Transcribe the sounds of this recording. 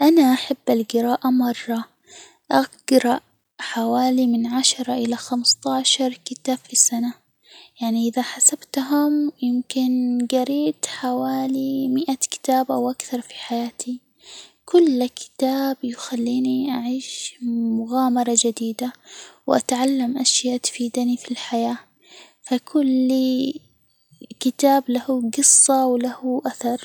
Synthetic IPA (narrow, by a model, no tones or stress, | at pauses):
ʔanaʔaħabːalɡɪɾaːʔamɑrˤːɑ | ʔaɡ̥ɾɑʔ | ħawaːlimɪnʕaʃɑɾˤɑʔɪlaxamst̪ˤɑːʕʃɑɾˤkɪt̪aːb̥fisana | jaʕniʔɪðaħasabt̪ɦʊmjɪmkɪnɡɑɾiːt̪ħawaːlimɪʔakɪ̥t̪aːbʔawʔakθɑɾˤfi̥ħajaːt̪ʰi | kʊlːkɪ̥t̪aːbjɪxalːiːniʔaʕiːʃmʊɣaːmɑɾˤɑd͡ʒad̪iːd̪awʔa̰t̪ʕalːamʔaʃjaːt̪ḁfiːd̪anifilħajaː | fakʰʊlːi | kɪt̪aːblahuɡɨsˤːɑwlahʔaθɑɾˤ